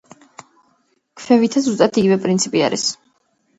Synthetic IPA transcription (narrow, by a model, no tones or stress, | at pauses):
kʰfɛvit̪ʰazust̪ʼat̪ʰiɡivɛpʼɾint̪sʰipʼia̰ɾḭs